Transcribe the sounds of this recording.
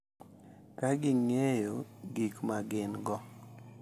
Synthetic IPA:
kaɡɪŋejoɡikmaɡɪnɡɔ

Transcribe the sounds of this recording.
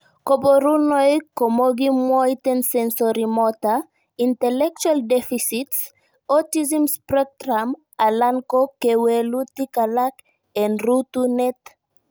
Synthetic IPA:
koboɾunɔjkɔmoɡimɔjtɛ̃nsɛ̃nsɔɾimɔta | ĩntɛlɛk̚t͡ʃualdɛfisits | ɔtizɛ̃mspɾɔɾam | alãŋkokewɛlutikalak | ɛ̃nɾutunɛt

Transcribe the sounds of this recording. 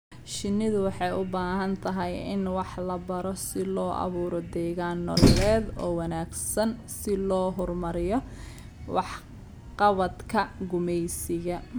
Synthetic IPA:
ʃɪnːɪðʊwɑħɑjʊbaːɦɐnt̪ʰɐɦɛjɪ̰nwɑħlɐbɐɾɔsɪlɔːʔɑ̰βuːɾɔd̪ɛːɣaːnːɔlɛːd̪ɔːwɑnaːɡsɐnsɪlɔːɦʊrmɐɾɪjɔ | wɑħ | qɑβɐd̪kʰɐɡʊmɛjsɪɣɐ

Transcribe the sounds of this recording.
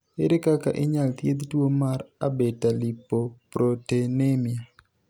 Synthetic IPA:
ɪɾɪkaka̰ʔɪɲalt̪jed̪twomaɾabetalipːopɾotenemia

